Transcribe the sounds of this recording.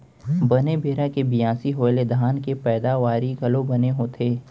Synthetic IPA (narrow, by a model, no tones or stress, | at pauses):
bɐnebeːɾãkebɪjãːsiɦoːled̪ʱaːnkepɛːd̪aʋaːɾiɡɐlõbɐneɦoːt̪ʰeː